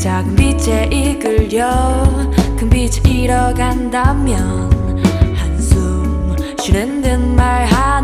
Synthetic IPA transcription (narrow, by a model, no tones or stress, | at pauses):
t͡ɕaɡɯmbit͡ɕʰeʔiɡɯɭɾjʌ | kɯmbit͡ɕʰeiɾʌɡandamjʌ | n | hansʰu | ɕʰunendɯnmaɭɦa